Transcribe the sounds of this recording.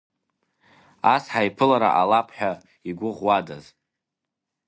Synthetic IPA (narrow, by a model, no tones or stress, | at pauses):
asħaipʰɨlaɾa̰ʔalapʰħʷᶣa | iɡʷʊʁwada̰z